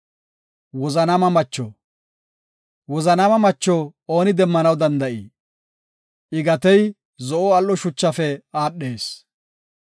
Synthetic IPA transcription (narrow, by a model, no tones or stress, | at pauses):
wɔzɐnɐmɐmɐt͡ʃːɔ̰ | wɔzɐnɐmɐmɐt͡ʃːooːnɪd̪ɛmːɐnɐwd̪ɐnd̪ɐʔḭː | ɪɡɐt̪ɛj | zɔʔoɐlːɔʃʊt͡ʃːɐfɛaːɗːe̞ːs